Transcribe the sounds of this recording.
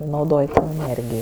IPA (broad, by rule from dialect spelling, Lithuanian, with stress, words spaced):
nɐʊˈdoːj ɛˈnʲeːrʲɡʲɪjoː